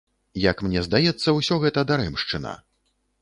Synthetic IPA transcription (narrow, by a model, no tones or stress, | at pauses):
jɐkmnʲɛzd̪ajɛt̪sːɐwsʲɔɣɛt̪ɐd̪aɾɛmʂt͡ʂɨnɐ̰